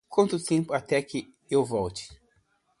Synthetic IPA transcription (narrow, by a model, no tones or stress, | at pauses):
kwɐ̃nt̪ʊt̪ẽpʊat̪ɛkɪ | ewvɔwt͡ʃɪ̥